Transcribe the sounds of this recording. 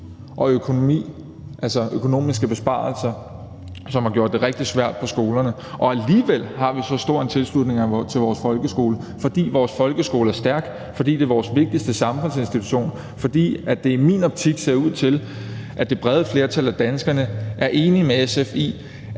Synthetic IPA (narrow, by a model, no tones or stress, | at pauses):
ʔɒ̽økʰo̝no̝mḭː | ʔælsɒøkʰo̝no̝̰ːmisɡ̥əb̥e̝sb̥ɑ̰̈ːlsɐ | sɒ̽mhɑ̈ɡ̥jo̝ɐ̰d̥ːe̝ʁɛɡ̥̚d̥i̥sʋæɐ̰d̥̚pʰɒ̽sɡ̥o̝ːlɐnə | ʔɒ̽æliːʋel̰hɑ̈ʋisɒ̽sd̥o̝ɐ̰ent͡sʰe̝lslud̥ne̝ŋæt͡sʰe̝lʋɒːsfɒ̽lɡ̥əsɡ̥o̝̰ːlə | fɒ̽d̥ḭːʋɒːsfɒ̽lɡ̥əsɡ̥o̝ːləæɐsd̥æɐɡ̥ | fɒ̽d̥ḭːd̥e̝ʋɒːsʋe̝ɡ̥̚d̥isd̥əsɑ̈mfɔ̽nse̝nsd̥it͡sʰu̥ɕo̝̰ːn | fɒ̽d̥ḭːæ̥e̝mḭnɒ̽b̥̚t͡sʰiɡ̥se̝ɐuð̞̰ˠt͡sʰe̝l | ʔæd̥e̝b̥ʁɛð̞ˠəfle̝ɐt͡sʰælæd̥ænsɡ̥ɐnəʔæɐʔe̝ːnimeesefḭː